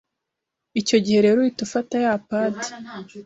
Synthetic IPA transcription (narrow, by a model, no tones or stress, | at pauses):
ico̞ɟihe̞ɾeɾuitufatajaːpaːti̥